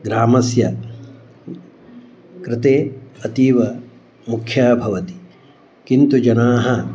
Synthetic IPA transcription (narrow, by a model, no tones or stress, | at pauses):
ɡɾaːmɐsjɐ | kɾɪt̪eːɐt̪iːʋɐ | mukʰːjaːbʱɐʋɐt̪i̥ | kint̪ud͡ʒɐnaːɦɐ